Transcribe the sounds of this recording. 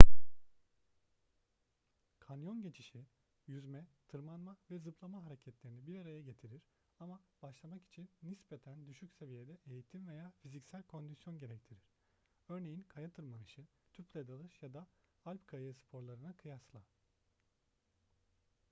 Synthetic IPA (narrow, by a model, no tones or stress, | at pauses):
kʰanjo̞nɟe̞t͡ʃʰiʃi | jyzmɛt̪ʰɯɾmanmavɛzɯpʰlˠamaɦaɾecʰɛt̪lʲe̞ɾinibiɾaɾajaɟe̞t̪ʰiɾiɾ | amab̥aʃlˠamaki̥t͡ʃʰinːispʰet̪ʰænd̪yʃycse̞vije̞d̪ɛʔejit̪ʰimve̞jaːfizicsælʲkʰo̞nd̪isjo̞nɟe̞ɾɛct̪ʰiɾiɾ̥ | ø̞ɾne̞jinkʰajat̪ʰɯɾmanɯʃɯ | t̪ʰyplʲed̪alˠɯʃjad̪aalʲpkʰajaspʰo̞ɾlˠaɾɯnakʰɯjaslˠa